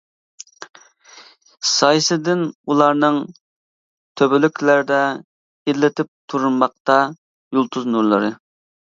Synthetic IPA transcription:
sɑjsɨd̪ɪnulˠɑɾnɨŋ | t̪ʰøbɪlykʲʰlæɾɪd̪ɛ | ed̪lɪt̪ʰɪp̚t̪ʰuɾunmɑq̚t̪ɑ | julˠt̪ʰuznuɾlˠɨ̰ɾɨ

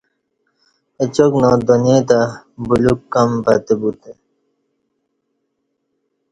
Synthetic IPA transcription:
et͡ɕoknɔd̪ɔniet̪abulukːambat̪ebut̪e

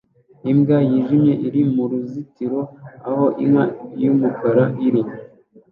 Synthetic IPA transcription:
imɡajiʒimɲe̞ʔiɾimuɾuzitiɾo̞aho̞ʔḭmwajumukaɾaʔiɾim

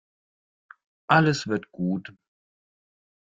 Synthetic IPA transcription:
ʔaləsv̥ɪɐtɡ̥uːt

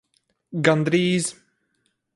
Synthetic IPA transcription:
ɡand̪ɾiːz

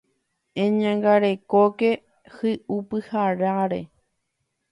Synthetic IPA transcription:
ẽɲãŋɡaɾe̞koke̞ | hɨʔupɨhaɾaɾḛ

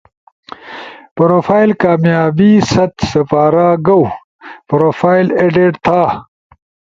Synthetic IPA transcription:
pɾoːfaːilkaːmjaːbiːsɐt̪sɐpaːɾaːɡɐw | pɾoːfaːileɖeɖt̪ʰaː

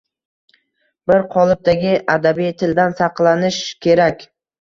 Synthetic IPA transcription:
bɪɾqʰɒlˠɪp̚t̪ʰaɡʲɪʔad̪abijt̪ʰɪld̪ansɑqlˠanɪʃkʲʰe̞ɾakʲ

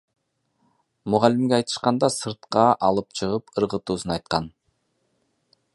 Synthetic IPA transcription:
mʊʁɑlimɡʲeɑjt̪ɯ̥ʃqɑnd̪ɑsɯɾt̪̚qɑʔɑlˠɯp̚t͡ʃʰɯʁɯpɯɾʁɯt̪uːsunɑjt̪̚qɑn

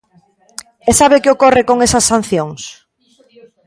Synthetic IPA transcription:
esaβekɪokorɪkoŋesɐsːan̟θjoŋs

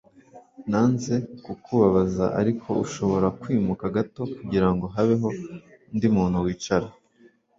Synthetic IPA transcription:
naːnze̞kukuβaβazaʔa̰ɾikʰo̞uʃo̞βo̞ɾakwiːmukaɡato̞kuɟiɾaŋɡo̞ɦaβe̞ɦo̞ndimuːn̥huwiːt͡ʃaɾa

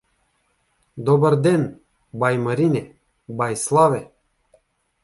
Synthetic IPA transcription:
d̪ɔbəɾd̪en | bajməɾine | bajslˠave

